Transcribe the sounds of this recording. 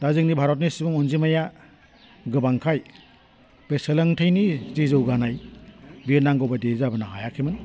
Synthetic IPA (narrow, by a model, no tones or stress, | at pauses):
dazɯknibʱaɾɔt̚nisibuŋɔnzimaja | ɡɯbaŋkʰaj | beselaŋtʰɯjnizizɯwɡanajbiɾnaŋɡɔbadezabanaɦajakʰemɯn